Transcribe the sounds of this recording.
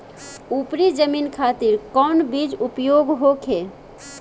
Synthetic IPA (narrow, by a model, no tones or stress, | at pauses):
upɾid͡ʒəminkʰat̪iɾkɔnbid͡ʒupjoɡɦokʰe